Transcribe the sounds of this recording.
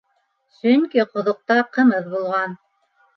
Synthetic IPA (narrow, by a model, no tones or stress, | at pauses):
sɵŋkiqŏðŏq̚t̪ɑqɤ̆mɤðbulˠʁɑn